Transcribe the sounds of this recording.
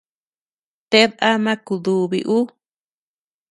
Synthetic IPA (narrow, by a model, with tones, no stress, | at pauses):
t̪e˦ða˦mã˦ku˧ðu˨βḭ˧ʔu˦